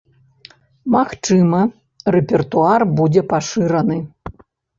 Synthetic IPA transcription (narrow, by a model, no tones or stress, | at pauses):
maxt͡ʂɨmɐ | rɛpʲɛrt̪uarbud͡zʲɛpaʂɨɾɐnɨ